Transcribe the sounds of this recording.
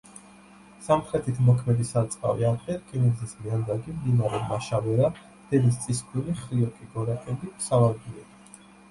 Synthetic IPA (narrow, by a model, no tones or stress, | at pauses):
samχɾɛt̪ʰit̪ʰmɔkʰmɛd̪isat̪sʼqʼa̰vḭaɾqʼɛɾkʼinɛzismiand̪aɡimd̪imaɾɛmaʃavɛɾa | d̪̥ɛd̪ist̪sʼiskʰʼuliχɾiɔkʼiɡɔɾakʼɛbisavalɡiɛ